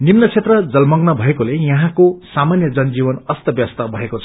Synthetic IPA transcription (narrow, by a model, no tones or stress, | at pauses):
ninːʌt͡sʰet̪rʌd͡zʌlmʌɡnʌbʱʌekolejʌɦãkosamanjʌd͡zʌnd͡zibʌnʌst̪ʌbjʌst̪ʌbʱʌekot͡sʰʌ̥